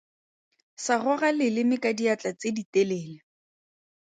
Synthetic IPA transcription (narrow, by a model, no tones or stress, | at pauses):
sarɔɣalɪlɪmɪkadiat͡ɬat͡seditelɛːlɪ